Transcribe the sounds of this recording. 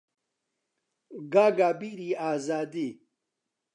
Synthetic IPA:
ɡaːɡaːbiɾiaːzaːd̪i

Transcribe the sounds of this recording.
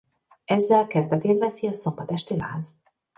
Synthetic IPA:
ɛzːɛlkɛzd̪ɛt̪eːt̪vɛsiɒsombɒt̪ɛʃt̪ila̰ːz

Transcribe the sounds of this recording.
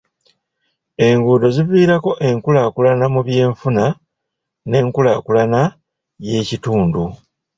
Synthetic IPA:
e̞ŋɡuːdo̞ziviːɾako̞ʔe̞ŋkulakulanamuβje̞ːɱfuna | ne̞ŋkulakulana | je̞cituːndu

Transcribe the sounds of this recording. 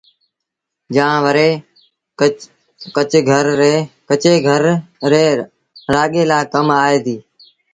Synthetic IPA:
d͡ʒãːʋəɾeː | kət͡ʃɡʱəɾːeːkət͡ʃeːɡʱəɾɾeː | ɾaːɠeːlaːkəmaːeːd̪iː

